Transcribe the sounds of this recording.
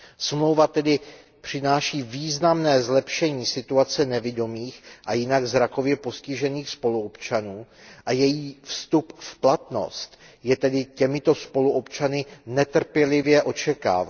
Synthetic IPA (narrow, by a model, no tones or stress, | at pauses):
smlo̞wvat̪ɛdɪ | pr̝̥ɪnaːʃiːviːznamnɛːzlɛpʃɛɲiːsɪt̪uat͡sɛnɛvɪdo̞miːxʔajɪnaɡzɾako̞vjɛpo̞scɪʒɛniːxspo̞luopt͡ʃanuːʔajɛjiːfst̪upfplat̪no̞̰st̪ | jɛt̪ɛdɪcɛmɪt̪o̞spo̞luʔopt͡ʃanɪnɛt̪r̩pjɛlɪvjɛʔo̞t͡ʃɛka̰ːva